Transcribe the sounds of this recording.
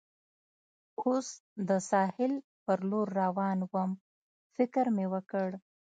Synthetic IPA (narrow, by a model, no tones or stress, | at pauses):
osd̪əsɑhɪl | pəɾloɾːawɑnwəm | fɪkɾmewəkəɽ